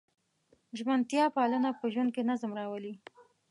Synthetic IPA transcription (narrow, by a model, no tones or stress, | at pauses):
ʒmant̪jɑpɑlənapəʒwand̪̚kenazmɾɑwəli